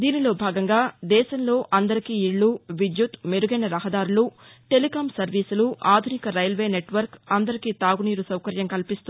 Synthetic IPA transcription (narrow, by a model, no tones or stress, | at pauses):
d̪iːnilo̞ːbʱaːɡɐŋɡaːd̪ɛːʃɐnlo̞ːʔɐnd̪ɐɾikiːiɭːuʋid͡ʒ̪jut̪meɾuɡɐjnɐɾɐɦɐd̪aːɾulu | ʈe̞likaːmsɐɾʋiːsuluʔaːd̪ʱunikɐɾɐjɐlʋe̞ːne̞ʈʋɐɾkɐnd̪ɐɾikiːt̪aːɡuniːɾusɐwkɐɾjɐmkɐlpist̪ui